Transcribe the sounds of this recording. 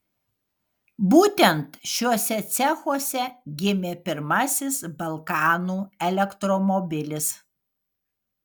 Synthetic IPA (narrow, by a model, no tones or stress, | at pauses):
buːt̪ʲɛnt̪ʃʲuɔsʲɛt̪sʲɛxuɔsʲɛɡʲɪmʲeːpʲɪɾmɐsʲɪsbɐlˠkɑːnuːɛlʲɛkt̪ɾɔmɔbʲɪlʲɪs